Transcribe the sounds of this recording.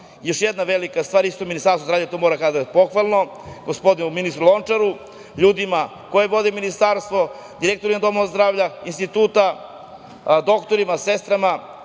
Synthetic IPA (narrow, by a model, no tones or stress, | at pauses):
jo̞ʃjed̪naʋelikast̪ʋaːɾist̪ominist̪aɾsozɾaːvʎat̪omoːɾakad̪d̪apo̞xʋalˠno̞ | ɡospo̞d̪inuminist̪ɾulont͡ʂaɾu | ʎuːd̪ima | kojeʋo̞d̪eminist̪aːɾst̪ʋo̞ | d̪iɾek̚t̪oɾimad̪o̞mozd̪ɾaːvʎainst̪it̪uːt̪a | d̪o̞kt̪oɾimasest̪ɾama